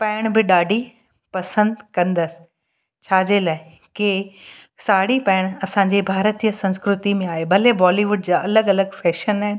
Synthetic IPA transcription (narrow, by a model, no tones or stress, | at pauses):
pɛːɪɽ̃bɪɗaːɖʱi | pɐsə̃nd̪kɐ̃nd̪əsɪ̥ | t͡ɕʰaːd͡ʑelaːɪ | kɪ | saːɽipɛːɪɽ̃ɐsãːɲ̆d͡ʑebʱaːɾət̪ijəsɐ̃nskɾʊt̪imẽaːɦebʱɐlebɔːliʋʊɖd͡ʑaːʔɐləɡɐləɡfɛːʃənaːɦɪn